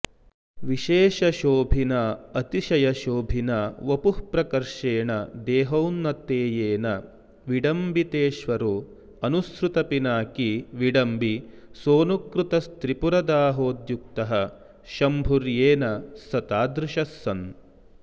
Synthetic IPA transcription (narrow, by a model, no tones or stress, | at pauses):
ʋiʃeːʃɐʃoːbʱinɐɐt̪iʃɐjɐʃoːbʱinɐʋɐpuhpɾɐkɐɾʂeːɳɐd̪ɛːɦɐwnːɐt̪eːjeːnɐ | ʋiɖɐmbit̪eːʃʋɐɾu | ɐnusɾut̪ɐpinaːkiʋiɖɐmbisoːnukɾut̪ɐst̪ɾipuɾɐd̪aːɦoːd̪juk̚t̪ɐɦɐ | ʃɐmbʱuɾjeːnɐsɐt̪aːd̪ɾɪʃɐsːɐn